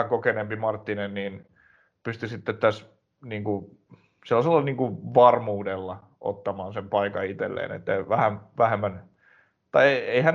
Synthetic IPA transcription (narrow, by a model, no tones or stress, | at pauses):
æŋkokenempimɑrt̪ːinenniːn | pyst̪isit̪ːet̪t̪ːæs | niːŋku | selːɑselːɑniːŋkuʋɑrmuːdelːɑ | ʔo̰t̪ːɑmɑːnsempɑikɑit̪ḛlːḛːnḛt̪ːæʋæhænʋæhemːæn | t̪ɑieeihæn